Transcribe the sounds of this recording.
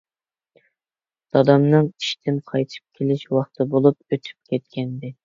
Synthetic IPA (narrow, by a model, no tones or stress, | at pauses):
d̪̥ɑd̪ɑmnɨŋi̥ʃt̪ʰɪnqʰɑjt̪ʰɨ̥p̚kʲʰelɪʃwɑχt̪ʰɨbolˠup̚øt̪ʰy̥p̚kʲʰɛt̪̚kʲɛnd̪ɪ